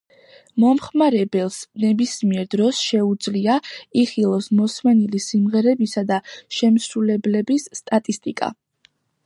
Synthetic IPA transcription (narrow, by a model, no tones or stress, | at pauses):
mɔmχmaɾɛbɛlˠsnɛbismiɛɾd̪ɾɔsʃɛud̪zliaiχilˠɔsmɔsmɛnilisimʁɛɾɛbisad̪aʃɛmsɾulɛblɛbisːt̪ʼat̪ʼist̪ʼikʼa̰